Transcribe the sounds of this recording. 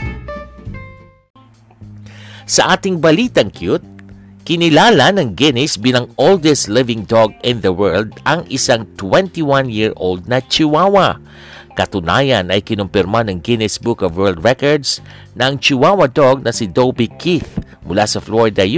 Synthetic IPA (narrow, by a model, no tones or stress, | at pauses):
sɐʔaːt̪ɪŋbɐliːt̪ɐŋkjut̪̚ | kɪnɪlaːlɐnɐŋɡɪnɪsbiːlɐŋold̪ɛst̪lɪvɪŋd̪ɔɡɪ̃nðɐwɛɹld̪ʔɐŋɪsaŋt̪wɛnt̪iwãnjiɹo̰ld̪̚nɐt͡ʃɪwaːwɐ | kɐt̪ʊna̰ːjɐnɐjkɪnʊmpɪɾmanɐŋɡɪnɪsbʊkɔvwɛɹld̪̚ɹɛkɔɹd̪s | nɐʔɐŋt͡ʃɪwawɐd̪oɡ̚nɐsɪd̪owbikʰiθ | mʊlasɐfloɹɪd̪ɐj